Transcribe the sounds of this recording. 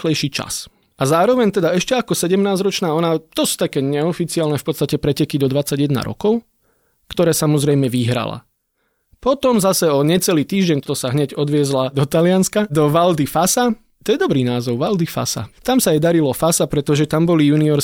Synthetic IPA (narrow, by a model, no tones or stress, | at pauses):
xlɛjʃiːt͡ʃa̰s | azaːɾɔʋɛɲt̪ɛd̪aɛʃcɛakɔsɛɟɛmnaːzɾɔt͡ʃnaːɔnat̪ɔsu̥t̪akɛːɲɛɔfit͡siaːlnɛfpɔt̪st̪acɛpɾɛcɛkid̪ɔd̪ʋat͡sːaɟjɛd̪na̰ɾɔ̰kɔʊ | kt̪ɔɾɛːsamɔzɾɛjmɛʋiɦɾa̰la̰ | pɔt̪ɔmzasɛɔɲɛt͡sɛliːt̪iːʒɟɛnt̪ɔt̪ɔsaɦɲɛɟɔd̪ʋɪɛzlad̪ɔt̪alɪanskad̪ɔʋald̪ifasa | t̪ɔjɛd̪ɔbɾiːnaːzɔʊʋald̪ifa̰sa̰t̪amsajɛd̪aɾilɔfasapɾɛt̪ɔʒɛt̪ambɔlijuːniɔɾ